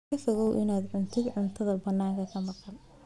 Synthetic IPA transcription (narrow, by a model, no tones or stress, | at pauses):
ɐsʊɣɔwʔɪnaːd̪ʕʊnt̪ʰɪɡ̪ʕʊnt̪ʰɐðɐbɐnːaːŋkʰɐkʰɐmɑqɑn